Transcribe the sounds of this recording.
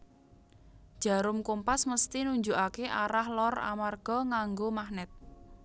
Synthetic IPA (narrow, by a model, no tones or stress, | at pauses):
d̥ʒ̥a̤ɾʊmkumpasməst̪inuɲd͡ʒuʔakeʔaɾahlɔra̰marɡ̥ɔ̤ŋaŋɡomahnɛt̪̚